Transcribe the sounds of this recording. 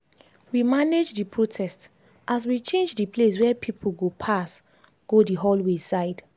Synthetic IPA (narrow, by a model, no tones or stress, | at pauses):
wimaned͡ʒdipʰɹotʰɛst | ʔas̬wit͡ʃẽnd͡ʒdipʰles̬wɛpʰipʰolɡopʰas | ɡ̥odiɦɔlwesaɪd̥